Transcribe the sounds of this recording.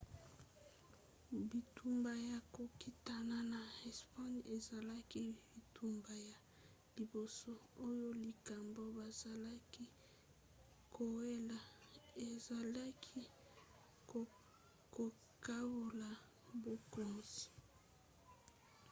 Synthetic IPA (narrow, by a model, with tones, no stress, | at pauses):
bi˨tʰu˨mba˨ja˨ko˨ki˦ta˦˨na˦na˨ɛ˨spa˦ne˨za˨la˦ki˦bi˨tu˦mba˨ja˨ | li˨bo˨so˦o˦jo˦li˨ka˨mbo˦ba˨z̥a˨la˦ki˦ | kʰo˨we˦la˨e˨za˨la˦kʰi˦ | ko˨ | ka˦bo˨la˨ | bo˨ko˨zi̥˨